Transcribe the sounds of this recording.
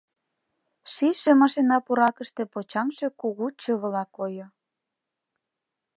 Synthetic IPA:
ʃiʃĕmɑʃenɑpuɾɑkəʃt̪ĕpot͡ɕɑmʃe̽kuɣut͡ɕə̆βə̆lɑkojo

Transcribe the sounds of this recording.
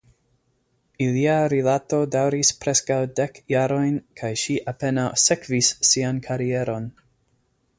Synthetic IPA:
iliaɾilato̞dawɾispɾe̞skawde̞kjaɾo̞jnkʰajʃiʔape̞nawsekvisːiankʰaɾie̞ɾo̞n

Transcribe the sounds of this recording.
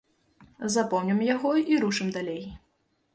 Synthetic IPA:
zapɔwnʲɐmjaɣɔiɾuʂɨmd̪alʲej

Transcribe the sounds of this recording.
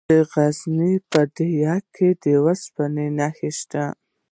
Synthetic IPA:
əɣaznipəd̪əjɑkʰːed̪əwaspanenaxeʃt̪a

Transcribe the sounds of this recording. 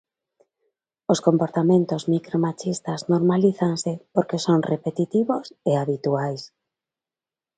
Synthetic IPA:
oskompoɾt̪amẽnt̪ozmikɾomat͡ʃist̪aznoɾmaliθaŋsɪpoɾkesoŋrepet̪it̪iβoseaβit̪uajs

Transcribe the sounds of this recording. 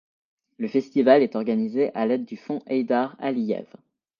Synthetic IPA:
ləfɛst̪ivalɛt̪ɔʁɡanizeʔalɛd̪ːyfɔ̃ʔɛjd̪aʁa̰lijɛ̰v

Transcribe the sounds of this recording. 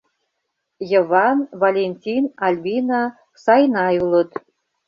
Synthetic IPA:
jə̆vɑnvalʲenʲt̪ʲinɑlʲbʲinɑ | sɑjnɑjulˠə̆t̪

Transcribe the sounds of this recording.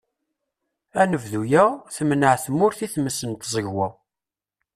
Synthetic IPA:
ænəvðujæθmnəʕθmʊɾθiθməsənt̪zˤəʝwæ

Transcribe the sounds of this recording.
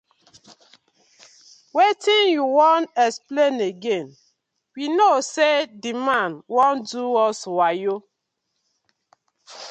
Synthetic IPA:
wetĩnjuwɔ̃ntɛspleneɡẽn | winosedimãnwɔ̃nduɔswajo

